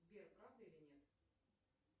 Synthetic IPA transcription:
zbʲerpɾavd̪ɨilʲɪnʲet̪

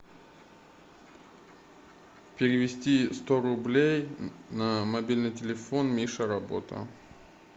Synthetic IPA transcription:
pʲɪɾʲɪvʲɪsʲtʲist̪oɾʊblʲejnamɐbʲilʲnɨjtʲɪlʲɪfonmʲiʂəɾɐbo̞̰t̪ə̰

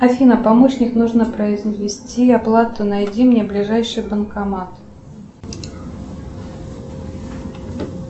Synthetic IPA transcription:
ɐfʲinəpɐmoɕnʲɪknuʐnəpɾəɪzvʲɪsʲtʲiɐplˠat̪ʊnɐjdʲimnʲeblʲɪʐajʂɨjbənkɐmat̪

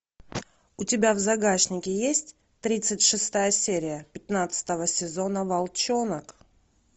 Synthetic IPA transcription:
ʊtʲɪbʲavzɐɡaɕnʲɪkʲɪjesʲtʲ | t̪ɾʲit̪sɨtʲʂɨst̪ajəsʲeɾʲɪjəpʲɪt̪nat̪sɨ̥t̪əvəsʲɪzo̞nəvɐlˠt͡ɕonək

